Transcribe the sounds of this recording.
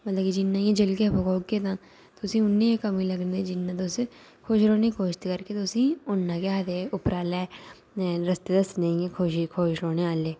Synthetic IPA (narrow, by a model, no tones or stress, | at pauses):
mɐt̪ləbkid͡ʒɪnːãjẽd͡ʒəlkepʰokoːɡket̪ã | t̪oʊsĩʊnːejekɐmĩlɐɡned͡ʒɪnːãt̪̬os | kʰoːʃɾoːnẽkʰoːʃt̪kɐɾket̪oʊsĩʊnːãkeɦɐt̪eʊpɾaːla | ɾɐst̪ed̪əst̪nɐ̃ĩekʰoːʃikʰoːʃɾoːneaːleː